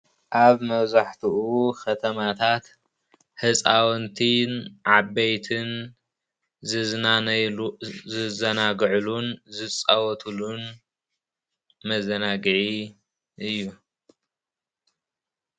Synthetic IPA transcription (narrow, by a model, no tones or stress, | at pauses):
ʔaβmɐβzaħt̪ʰuʔukʰɐt̪ʰɐmat̪ʰat̪ | hɨt͡sʼawɔnt̪ʰinʕabejt̪ʰɨn | zɨna | zɨzɐnaɡʕulunzɨt͡sʼawɔt̪ʰulun | mɐzɐnaɡʕi | ʔɨjːu